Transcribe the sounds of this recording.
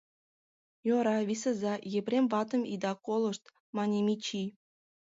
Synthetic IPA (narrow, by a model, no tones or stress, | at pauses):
joɾɑʋʲisɤ̆zɑjepʲrʲemʲvɑt̪ɤ̆mʲḭd̪ɑkolˠɤ̆ʂt̪ | mɑnʲemʲit͡ɕi